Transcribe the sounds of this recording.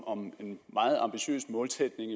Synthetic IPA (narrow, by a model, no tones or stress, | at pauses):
ɒ̽me̝nmɑ̈ːð̞̩ˠɑ̈mb̥iɕø̰ːsmɔ̽ːlt͡sʰɛd̥ne̝ŋ